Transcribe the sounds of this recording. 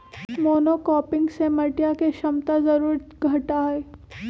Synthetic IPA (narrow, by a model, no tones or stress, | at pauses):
moːnokɔːpɪ̃ŋɡsemɐʈjakeʃɐmt̪azɐɾuːɾɡʱɐʈaɦɛː